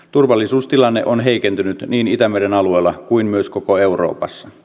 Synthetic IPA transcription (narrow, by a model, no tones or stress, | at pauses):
t̪urʋɑlːisuːst̪ilɑnːeʔonɦeikent̪ynyt̪niːnit̪æmeɾenɑlueːlːɑkuinmyøskokoeuro̰ːpɑsːɑ